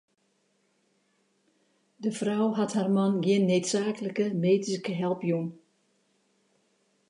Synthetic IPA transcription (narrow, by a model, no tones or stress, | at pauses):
dəfrɔwɦathaːrmɑnɡjɪnːeːtsaːkələkəmeːtiskəɦɛlˠpjun